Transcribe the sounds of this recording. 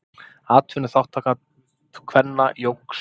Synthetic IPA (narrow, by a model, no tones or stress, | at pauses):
aːt̪ʰvʏnɪθawht̪ʰːaːka | kʰvɛnːajowks